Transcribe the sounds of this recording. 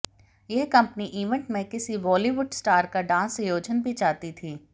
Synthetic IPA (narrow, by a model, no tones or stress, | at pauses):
jeɦkɐ̃mpniʔiːʋɛ̃ɳʈmẽkɪsiʋɔːliʋʊɖsʈaːɾkaɖãːsjoːd͡ʒənbʱit͡ʃaːt̪it̪ʰiː